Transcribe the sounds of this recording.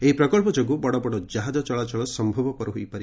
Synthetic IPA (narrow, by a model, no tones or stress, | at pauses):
eɦipɾɔkɔɭpɔd͡ʒoɡubɔɽɔbɔɽɔd͡ʒaɦad͡ʒɔt͡ʃɔɭat͡ʃɔɭɔsɔmbʱɔbɔpɔɾuɦujpaɾi